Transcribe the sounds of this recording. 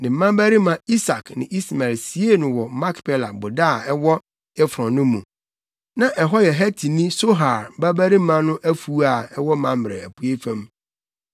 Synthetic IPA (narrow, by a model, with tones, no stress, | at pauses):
nɪ̃˨m̩˦mã˦bæ˦ɾi˦mã˨i˦sa˨knɪ̰̃˨ʔi˦sma˨lsi˨˦e˦nʊ̃˨wɔ˨mã˦kpʰe˦la˨bʊ˨da˦˨ɛ˦wɔ˦ | ɛ˦fɾɔ̃˨nʊ̃˦mũ˨ | nã˨ʔɛ˨ɦɔ˦jɛ˨ɦæ˦tʰi˨nĩ˦so˦ɦa˨ɾba˦bæ˦ɾi˦mã˦nʊ̃˦ʔæ˦fu˦a˨ɛ˦wɔ˦mã˨m˨ɾɛ̰˨æ˨pʰu˦e˦fã˦m